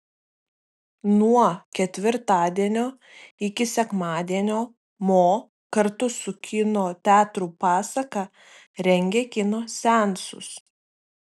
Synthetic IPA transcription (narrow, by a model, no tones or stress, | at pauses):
nuɔkʲɛt̪ʲʋʲɪɾt̪ɑːd̪ʲiɛnʲoː | ɪkʲɪsʲɛkmɑːd̪ʲiɛnʲoː | moː | kɐɾt̪ʊsʊkʲɪnoːt̪ʲæːt̪ɾuːpɑːsɐkɑ | ɾʲɛŋʲɡʲeːkʲɪnoːsʲɛˑnsʊ̰s